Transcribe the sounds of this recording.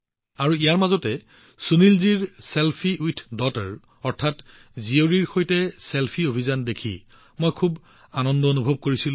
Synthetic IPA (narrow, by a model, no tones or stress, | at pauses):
aɹuijaɹmazɔtɛ | sunilziɹselpʰiujtʰdɔtɛɹ | ɔɹtʰat | zioɹiɹxojtɛselpʰiobʱizandekʰḭ | mojkʰub | anɔndɔonubʱɔb̚koɹisil